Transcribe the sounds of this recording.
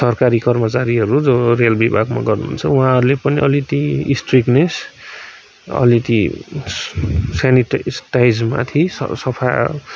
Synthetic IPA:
sʌrkaɾikʌrmʌt͡saɾiɦʌɾud͡zorelbibʱaɡma̰ɡʌrnunt͡sʰʌuãɦʌɾulepʌniʔʌlit̪iisʈriknes | ʌ̰lit̪i | saniʈsʈajd͡zma̰t̪ʰisʌ̰sʌpʰa

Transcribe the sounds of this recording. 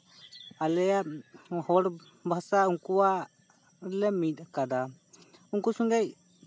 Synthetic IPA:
alɛjahɔɽ | bʱasauŋkuwa | lɛmit̪akad̪a | uŋkusuŋɡɛc̚

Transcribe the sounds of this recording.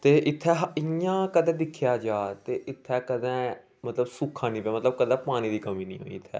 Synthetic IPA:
t̪eːʔɪt̪ʰːɛːɦɪãːkəd̪ɛ̃ːd̪ɪkʰːjaːd͡ʒaːt̪eːʔɪt̪ʰːɛːkəd̪ɛ̃ː | mət̪ləbsuːkʰːãːnĩːpaːmət̪ləb̚kəd̪ɛ̃ːpaːñĩːd̪iːkəmĩːnḭ̃ːɦo̰ːḭːɪt̪ʰːɛ̰ː

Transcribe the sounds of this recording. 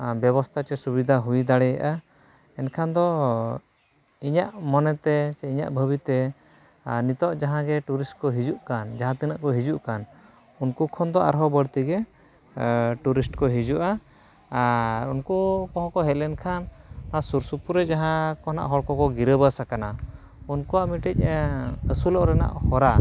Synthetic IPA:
bjɛβɔst̪ʰat͡ʃɛsubid̪ʱaɦujd̪aɽɛja̰ʔa | ɛnkʰand̪ɔ | iɲaʔmɔnɛt̪ɛt͡ʃɛiɲa̰ʔbʱəbit̪ɛ | nit̪ɔʔd͡ʒaɦãɡɛʈuɾisʈkɔɦid͡ʒuʔkand͡ʒaɦãt̪inaʔkɔɦid͡ʒuʔkan | unkukʰɔnd̪ɔa̰ɾɦɔbəɽt̪iɡɛ | ʈuɾisʈkɔɦid͡ʒuʔa | aɾunkukɔ̃ɦɔ̃kɔɦɛlɛnkʰanːasuɾsupuɾɛd͡ʒaɦãkɔna̰ʔɦɔɽkɔkɔɡiɾəbasakana | unkɔaʔmiʈic̚əsulɔʔɾɛna̰ʔhɔɾa

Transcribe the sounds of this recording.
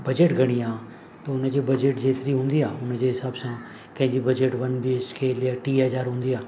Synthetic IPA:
bɐd͡ʒeʈɡʱɐɽ̃ijãː | t̪oʊnd͡ʒeːbɐd͡ʒeːʈd͡ʑeːt̪ɾiːɦʊ̃ːnd̪iːaːʊnd͡ʒeːɦɪsaːbsãː | kɐ̃ɦɪ̃ɲd͡ʒiːbɐd͡ʒeːʈʋɐnbiskʰeːlɪaːʈiːɦəzaːɾɦʊ̃ːnd̪iaː

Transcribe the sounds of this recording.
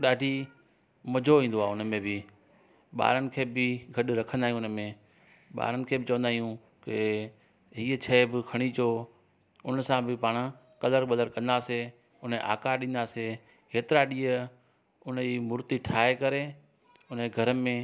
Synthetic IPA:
ɗaːɖʱi | mɐd͡ʑʱoʋĩːn̆d̪oaːʊnmẽbɪ | ɓa̰ːɾənɪ̆kʰeːbɪɡʱɐɗɾɐkʰə̃nd̪aːɦij̃ʊnmẽ | ɓa̰ːɾənɪ̆kʰeːbɪt͡ɕɐʋə̃nd̪aːijũ | kɪ | ɦiːət͡ɕʰɐːbɪkʰɐɽ̃it͡ɕoː | ʊnəsãbɪpaːɽ̃ | kɐləɾbɐləɾkɐ̃nd̪aːse | ʊnəʔa̰ːkaɗɪ̃nd̪aːse | ɦeːt̪ɪɾaɗiːə | ʊniːmʊɾt̪iʈʰaːekɐɾe | ʊnəɡʱɐɾəmẽ

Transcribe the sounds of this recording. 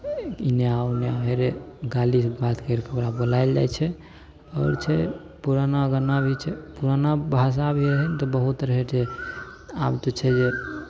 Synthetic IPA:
injawneabʱeɾeɡalisbat̪ʰkəɾkəbɾabolajld͡ʒa̰jt͡ʃʰɛ | ɔːɾt͡ʃʰɛ | puɾanaɡənabʱit͡ʃʰɛpuɾanabʱas̬abʱiɾəɦɛnt̪ɔbəɦut̪ɾəɦet͡ʃʰe | abt̪ot͡ʃʰɛd͡ʒe

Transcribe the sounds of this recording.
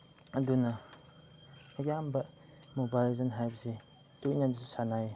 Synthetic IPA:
ɐdunɐ | ejambɐ | mobalizɐnɦajpsi | tujnandisusanaj

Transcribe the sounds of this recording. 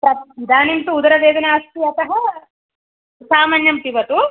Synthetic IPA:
pɾɐt̪id̪aːnimt̪uːd̪ɐɾɐʋeːd̪ɐnɐːst̪iɐt̪ɐɦɐ | saːmɐnjɐmpiʋɐt̪u

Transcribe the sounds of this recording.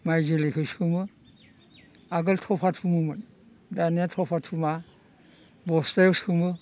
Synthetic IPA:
majzɯlekʰɯsɯmɯ | aɡɯltʰɔpʰatʰumumɯn | danijatʰɔpʰatʰuma | bɔstajɔsɯmɯ

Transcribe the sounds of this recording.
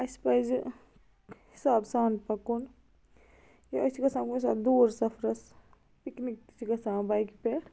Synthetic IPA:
ɐspɐjz | hisaːbsaːnpɐkun | jɐɐsikɐsãːkunisa̰ːd̪uːɾsɐpʰɾɐs | piknik̚t̪it͡ʃʰikɐsãːbajkpe

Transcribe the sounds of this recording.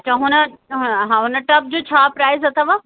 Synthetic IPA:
t͡ɕʰãːɦʊnəɦãɦʊnə̆ʈɐp̚d͡ʑoːt͡ɕʰaːpɾaːɪzɐt̪ʰəʋaː

